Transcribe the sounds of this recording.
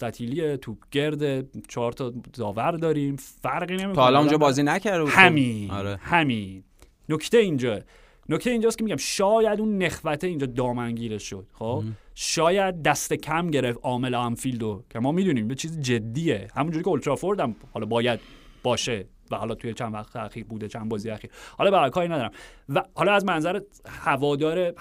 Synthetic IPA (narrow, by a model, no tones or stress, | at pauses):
st̪æt̪ʰiːliet̪ʰuːb̥ɟ̥e̞ɾd̪et͡ʃʰɒːɾt̪ʰɒːd̪ɒːvæɾd̪ɒːɾiːmfæɾɢiːnemilɔːmõnd͡ʒɒbɒːziːnæcæɾd̪euhæmiɾehæmiː | noct̪eind͡ʒɒː | nokʰt̪eeind͡ʒɒːskʰeiɟæmʃɒːjæd̪unːe̞xvæt̪ʰeind͡ʒɒːd̪ɒːmænɟiːɾeʃod̪̥xobʃɒːjæd̪̚ːæst̪e̞cʰæmɟe̞ɾeft̪ʔɒːme̞læmfiːld̪okʲʰemɒːmiːd̪uːniːmjet͡ʃʰiːzid͡ʒe̞d̪ːiːjehæmund͡ʒouɾikʰʲeolt̪ʰɾɒːfoɾd̪æmhɒlɒːbɒːjæd̪̚b̥ɒːʃe̞ | væhɒlɒːt̪ʰujet͡ʃʰænd̪væxt̪ʰeæxiːɾbuːd̪et͡ʃʰænbɒːzijeæxiːɾhɒlɒbeæɾkʰɒːɾinæd̪ɒːɾæmvæhɒlɒːæzmænzæɾehævɒːd̪ɒːɾe